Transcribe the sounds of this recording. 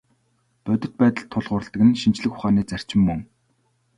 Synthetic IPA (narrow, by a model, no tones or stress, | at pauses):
p̪œt̪ʲɪ̆t̪̚pæːt̪ə̆ɬt̪ʰːʊɮʁʊːrə̆ɬt̪ə̆kɘ̆nʃint͡ɕɮɘ̆xʊ̥χaːniːt͡sær̥t͡ɕɪ̆mːɵŋ